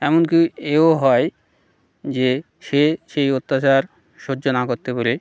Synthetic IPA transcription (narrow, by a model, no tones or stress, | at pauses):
ɛmonkieoɦɔe | d͡ʑe | ʃeʃejot̪ːat͡ɕaɾ | ʃod͡ʑːonakoɾt̪ebole